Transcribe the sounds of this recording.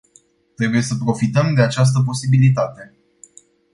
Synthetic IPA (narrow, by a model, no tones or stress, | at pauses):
t̪ɾe̞buje̞səpɾo̞fit̪əmd̪e̞at͡ʃas̬t̪əp̬o̞sibilit̪at̪e̞